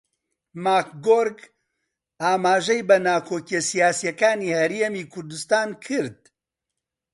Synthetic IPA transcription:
maːkɡoːɾɡ | aːmaːʒɛjbɐnaːkʰoːkijɛsijaːsijɛkaːniːhɛɾemiːkʰʊɾd̪ust̪aːnkʰɨɾd̪̚

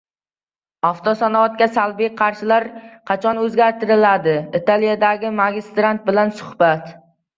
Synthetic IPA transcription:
aft̪ʰɒsanɒvat̪̚kʲasalbijqʰɑɾʃɪlaɾqʰɑt͡ʃʰɒnɵzɡʲaɾt̪ʰɪɾɪlad̪ɪɪt̪ʰalˠijad̪aɡʲɪmaɡʲɪst̪ɾant̪̚bɪlansʊ̥hbat̪

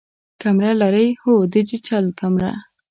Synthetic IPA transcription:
kamɾalaɾəjhod̪əd͡ʒit͡ʃalkamɾa̰

